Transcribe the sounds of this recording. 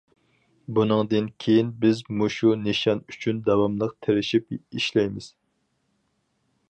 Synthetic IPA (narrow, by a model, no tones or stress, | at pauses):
bunɨŋd̪ɨnkʲʰejinbɪzmuʃuneʃɑnyt͡ʃʰynd̪ɛwɑmlˠəqt̪ʰeɾɪʃipiʃlɛjmɪz̥